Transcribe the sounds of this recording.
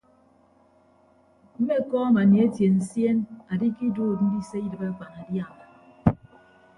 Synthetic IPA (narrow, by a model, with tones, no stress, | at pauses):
m̩˦me˦˨kɔ˦a˦ma˨ne˨e˦tje˨n̩˨sje˦na˨di˦ki˦duː˦˨t̚n̩˦di˦se˦i˦dɨ˨ba˦ka˨na˨dja˦˨ma˨